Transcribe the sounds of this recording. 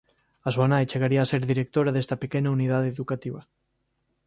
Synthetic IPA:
azwanajt͡ʃeɣ̞aɾiaːseɾðiɾek̚t̪oɾaðest̪apekenaunið̞aðeðukat̪iβ̞a

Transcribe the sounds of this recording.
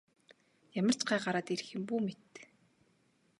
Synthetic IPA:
jamə̆r̥t͡ɕɢæːɢaɾaːt̪erxɘ̆mpuːmet̪

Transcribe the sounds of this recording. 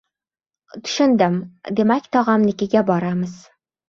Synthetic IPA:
t̪ʰʊ̥ʃɪnd̪ɘmd̪emakʲt̪ʰɒʁɑmnɪkʲɪɡʲabɒɾamɨz̥

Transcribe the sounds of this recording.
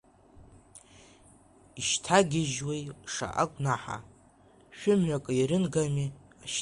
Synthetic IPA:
iʃtʰaɡʲɪʒwejʂa̰ʔa̰kʷʼnaħa̰ | ʃᶣʊmɥakʼɨiɾɨnɡami | aʃ

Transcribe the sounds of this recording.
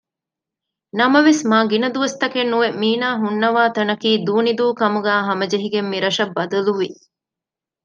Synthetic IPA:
nɐmɐʋesmaːɡinɐd̪uʋɐst̪ɐkenːuʋemiːnaːɦunːɐʋaːt̪ɐnɐkiːd̪uːnid̪uːkɐmuɡæːɦɐmɐd͡ʒeɦiɡemːiɾɐʃɐbːɐd̪ɐluʋi

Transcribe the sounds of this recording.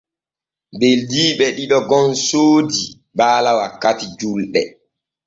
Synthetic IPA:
beldiːɓɛɗiɗɔɡɔnsoːdi | baːlawakːatid͡ʒulɗɛ

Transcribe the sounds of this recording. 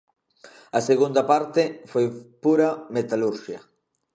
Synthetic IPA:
ɐseɣund̪ɐpaɾt̪ɪfojpuɾɐmet̪aluɾʃiɐ

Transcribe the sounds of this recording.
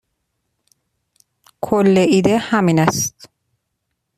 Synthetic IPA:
kʰolːeʔiːd̪ehæmiːnæst̪̚

